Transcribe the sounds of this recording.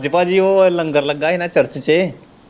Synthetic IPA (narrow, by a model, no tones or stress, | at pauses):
d͡ʑəpad͡ʑiʋoləŋɡəɾləɡːaɦenat͡ɕəɾt͡ɕət͡ɕe